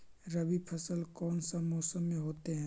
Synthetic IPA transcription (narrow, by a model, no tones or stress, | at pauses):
ɾɐbipʰɐsəlkɔːnsamɔːsəmːẽɦoːt̪eɦɛ̃ː